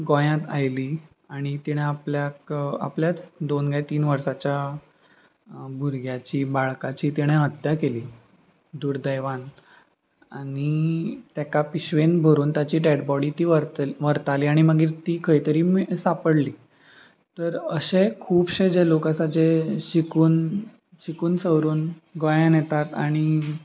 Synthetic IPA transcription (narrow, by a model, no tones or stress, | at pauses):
ɡõjãt̪a̰jliː | aɽ̃it̪iɽ̃eapljaka̰pljat͡sd̪onɡajt̪iːnʋəɾsat͡ɕja | bʱuɾɡjat͡ɕiːbaɭkat͡ɕiːt̪iɽ̃ẽɦət̪jakeliː | d̪uːɾd̪əjʋan | aɽ̃it̪jakapiɕʋenbʱəɾuːnt̪jat͡ɕiːʈeɽbɔɽiːt̪iːʋəɾʋəɾt̪aliːaɽ̃iməɡiːɾt̪iːkʰəjt̪əɾiːmsapəɽliː | t̪əɾəɕekʰuːbɕed͡ʑelokasad͡ʑeɕikuːn | ɕikuːnsəʋɾuːnɡojãnjɛt̪at̪a̰ɽ̃i